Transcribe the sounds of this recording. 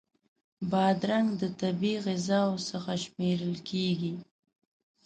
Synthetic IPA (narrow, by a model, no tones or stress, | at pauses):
bɑd̪ɾaŋɡd̪ət̪abiɣɪzɑwsəxaʃmeɾəlkʰeɡi